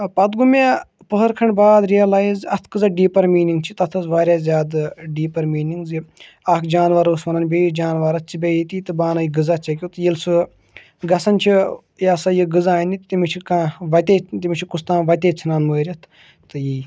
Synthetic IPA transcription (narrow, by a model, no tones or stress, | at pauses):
pɐt̪ɡumʲa | pəɦɐɾkʰɐɳɖbaːd̪ɾijɐlaːjizɐt̪ʰkɨzɐɖiːpɐɾmiːniŋɡ̚t͡ʃʰit̪ɐt̪ʰɐzʋaːɾʲjaːzʲjaːd̪ɖiːpɐɾmiːniŋɡzi | aːkd͡ʒaːnʋɐɾosʋɐnɐnʲbʲeːjid͡ʒaːnʋaːɾɐt͡ʃʰibʲejit̪it̪ɨbaːnɐjiɡɨzat͡ʃʰɐk̬ʲut̪ɨjilsu | ɡɐsɐnʲt͡ʃʰi | jaːsɐjiɡɨzaːnit̪t̪imit͡ʃʰikãʋɐt̪ʲet̪imit͡ʃʰikust̪ãːʋɐt̪ʲeːt͡sʰinaːnməːɾʲɐt̪ʰ | t̪ɨjiː